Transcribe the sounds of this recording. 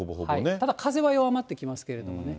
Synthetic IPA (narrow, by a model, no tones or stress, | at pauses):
oboɦohainet̪ad̪akʰaze̞βajoβamat̪ːe̞kʲimasɨ̥ke̞ɾe̞d̪o̞mo̞ne̞